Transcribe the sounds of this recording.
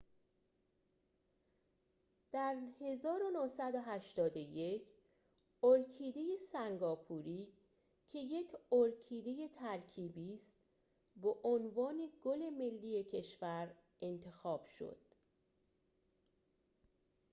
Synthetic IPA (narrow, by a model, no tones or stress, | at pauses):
d̪̥æɾhe̞zɒːɾonohsæd̪oɦæʃt̪ɒːd̪oje̞kʰ | oɾkʰiːd̪e̞je̞sæŋɡɒːpʰuɾiː | cʰe̞je̞cʰoɾcʰiːd̪e̞je̞t̪ʰæɾcʰiːbiːst̪ | beʔonvɒːne̞ɡ̥ole̞me̞lːiːje̞cʰe̞ʃvæɾ | ʔe̞nt̪ʰe̞xɒːb̥ʃo̰d̪̥